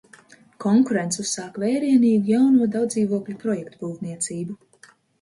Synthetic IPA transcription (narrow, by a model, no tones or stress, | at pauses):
kʰɔŋkuɾent̪sʲusːaːkvɛːɾiɛniːɡujawnuɔd̪awd̪ziːvuɔklʲupɾɔjɛkt̪ubuːvniɛt̪siːbu